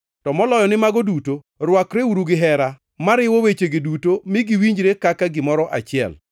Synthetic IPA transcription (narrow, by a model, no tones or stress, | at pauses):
tɔmɔlɔjɔnɪmaɡɔduto | rwakɾeuɾuɡɪɦɛɾa | maɾɪwowet͡ʃeɡɪdutomɪɡɪwiɲd͡ʒɾekakaɡɪmɔɾɔʔa̰t͡ʃɪɛ̰l